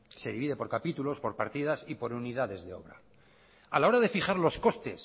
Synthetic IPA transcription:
se̞ðiβiðe̞po̞ɾkapit̪ulo̞spo̞ɾpaɾt̪iðasipo̞ɾuniðaðe̞zðe̞o̞̰βɾa̰ | alao̞ɾaðe̞fiχaɾlo̞sko̞st̪e̞s

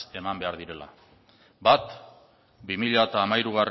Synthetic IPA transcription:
e̞mambe̞aɾðiɾe̞la̰ | bat̪ | bimiʎat̪aːmajɾuɣ̞ar

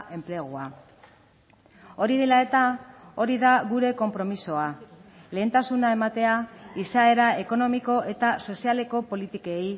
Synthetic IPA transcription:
ʔe̞mple̞ɣua | o̞ɾiðe̞lae̞t̪ao̞ɾiðaɣuɾe̞ko̞mpɾo̞miso̞ale̞ːnt̪asunae̞mat̪e̞aisae̞ɾae̞ko̞no̞miko̞ʔe̞t̪aso̞siale̞ko̞po̞lit̪ike̞j

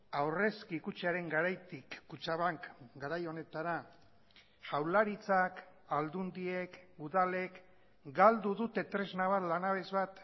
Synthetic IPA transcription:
awre̞skikut͡ʃeaɾe̞ŋɡaɾajt̪ikːut͡ʃaβaŋkɡaɾajo̞ne̞t̪aɾa | ʝawlaɾit͡sak | ald̪und̪ie̞kuðale̞k | ɡald̪uðut̪e̞t̪ɾe̞znaβ̞at̪lanaβe̞zβat̪

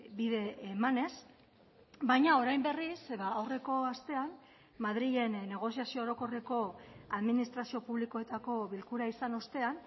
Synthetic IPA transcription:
biðe̞ːmane̞s | bajɲao̞ɾajmbe̞risβaːwre̞ko̞ast̪e̞an | maðɾiʝe̞nːe̞ɣ̞o̞siasioːɾo̞ko̞re̞ko̞aðminist̪ɾasio̞puβliko̞e̞t̪ako̞βilkuɾaisano̞st̪e̞an

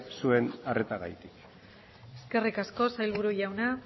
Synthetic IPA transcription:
sue̞naret̪aɣajt̪ik | e̞ske̞rikasko̞sajlβuɾuʎawna

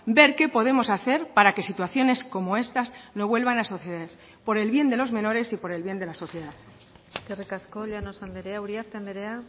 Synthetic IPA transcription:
be̞ɾke̞po̞ð̞e̞mo̞saθe̞ɾpaɾake̞sit̪waθjo̞ne̞sko̞mo̞e̞st̪azno̞βwe̞lβ̞anasoθe̞ðeɾ | po̞ɾe̞lβje̞nd̪e̞lo̞zmẽ̞no̞ɾe̞sipo̞ɾe̞lβje̞nd̪elaso̞θje̞ðað | t̪erekaskoʎanosand̪eɾeawɾiaɾt̪eand̪eɾea

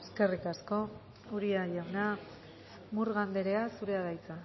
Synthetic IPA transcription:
eske̞rikasko̞ | uɾiajawna | muɾɣand̪e̞ɾe̞asuɾe̞aðajt͡sa

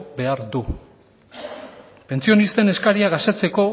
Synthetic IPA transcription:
be̞aɾd̪u | pe̞nt͡sio̞nist̪e̞ne̞skaɾiaɣast̪et͡se̞ko̞

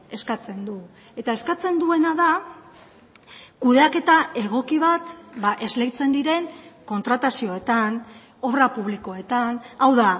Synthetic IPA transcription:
e̞skat͡se̞nd̪u | e̞t̪ae̞skat͡se̞nd̪ue̞naða | kuðe̞ake̞t̪ae̞ɣ̞o̞kiβ̞at̪baʔe̞zle̞jt͡se̞nd̪iɾe̞ŋko̞nt̪ɾat̪asio̞et̪an | o̞βrapuβ̞liko̞e̞t̪anawða

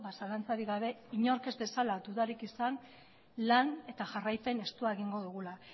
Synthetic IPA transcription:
βasalant͡saɾiɣaβe̞iɲo̞ɾke̞zde̞salad̪uðaɾikisan | lane̞t̪aʝarajpe̞ne̞st̪uae̞ɣ̞iŋɡo̞ðuɣ̞ula

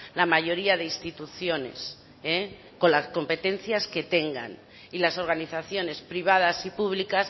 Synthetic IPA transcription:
lamaʝo̞ɾiaðe̞ist̪it̪uθjo̞ne̞̰s | e | ko̞nlasko̞mpe̞t̪ẽ̞nθjaske̞t̪e̞ŋɡa̰n | ilaso̞ɾɣ̞aniθaθjo̞ne̞spɾiβ̞að̞asipuβlikas

